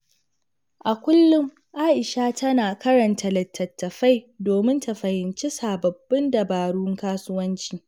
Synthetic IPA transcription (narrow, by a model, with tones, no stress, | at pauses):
ʔa˨kʷʊ˦lːʊ˦m | ʔaː˦ʔɪ˨ʃaː˦tɐ˦naː˨kɐ˦ɾɐ˨ntɐ˨lɐ˨tːɐ˨tːɐ˨ɸa˦jdoː˨mɪ˦nta˨ɸɐ˨hɪ˨nt͡ʃi˦saː˨bɐ˨bːɪ˦ndɐ˨baː˨ɽuː˦ŋkaː˦sʊ˦wɐ˦nt͡ʃiː˨